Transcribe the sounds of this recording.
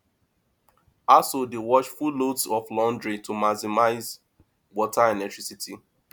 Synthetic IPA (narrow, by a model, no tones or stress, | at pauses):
asodewɔt͡ʃfudlodsɔflɔ̃ndɹitumasimaɪz | wɔtʰaɛlɛk̚tɹ̥isitʰi